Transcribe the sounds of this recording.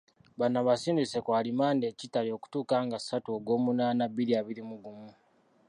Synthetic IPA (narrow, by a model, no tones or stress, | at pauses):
βanːaβasiːndisekwaːlimaːndeːcitalio̞ku̥tuːkaːŋɡasːatuoɡo̞ːmunaːnaβiɾiaβiɾimuɡumu